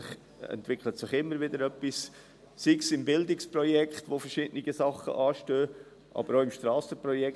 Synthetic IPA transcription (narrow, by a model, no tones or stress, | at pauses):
ɪχ | ɛ̰ntvɪkʰlətsɪχɪmːəɾʋɪdəɾœpːis | siksɪmbɪldɪksprɔjɛkχtʋofəɾʃɪdənɪɡəsɑχə̰ʔɑːʃtøː | ʔɑ̰b̥əɾoːɪmʃtɾɑːsəprɔjɛk